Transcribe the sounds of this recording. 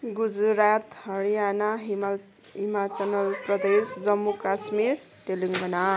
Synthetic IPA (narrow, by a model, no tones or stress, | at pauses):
ɡud͡zɾat̪hʌɾijanaɦi | ɦimat͡sʌnʌlprʌd̪esd͡zʌmːukasmiɾ | t̪eliŋɡʌna